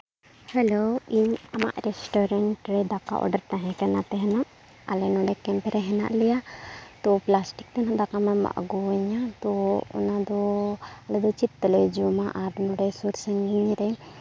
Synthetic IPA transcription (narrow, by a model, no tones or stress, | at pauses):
hɛloiɲama̰ʔɾɛsʈɔɾaɳʈɾɛd̪aka̰ʔɔ̰ɖaɾt̪aɦɛ̃kanat̪ɛɦɛnaʔ | a̰lɛnɔɖɛkɛmpɾɛɦɛna̰ʔlɛjat̪ɔplasʈik̚t̪ɛnad̪akamama̰ʔɡɔɛɲat̪ɔɔ̰nad̪ɔalɛd̪ɔt͡ʃit̪̚ːɛlɛd͡ʒɔmaʔaɾnɔɖɛsuɾsɛŋɡiɲiɾɛ